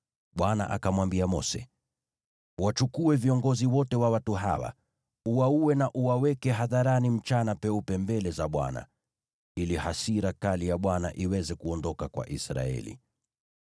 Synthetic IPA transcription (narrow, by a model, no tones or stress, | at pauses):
ɓwana̰ʔakamwambiamɔsɛ̰ | wat͡ʃukuɛviɔŋɡɔziwɔtɛwawatuɦa̰wa̰ | uwauwɛnaʔuwawɛkɛɦaðaɾanim̩t͡ʃanapɛupɛmbɛlɛzaɓwa̰na̰ | ilihasiɾakalijaɓwana̰ʔiwɛzɛkuɔndɔkakwa̰ʔisɾa̰ɛ̰lḭ